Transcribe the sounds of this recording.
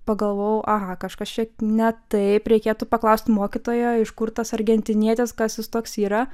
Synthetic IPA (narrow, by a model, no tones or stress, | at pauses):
pɐɡɐlˠʋoːjɛʔɐɣɐkɐʃkɐst͡ʃʲɛnʲɛt̪ɐɪpɾʲɛɪkʲeːt̪ʊpɐklˠɐʊsʲt̪ʲmoːkʲɪt̪oːjoːɪʃkʊrt̪ɐsɐɾʲɡʲɛnʲt̪ʲɪnʲiɛt̪ʲɪskɐsjʲɪst̪oːksiːɾɐ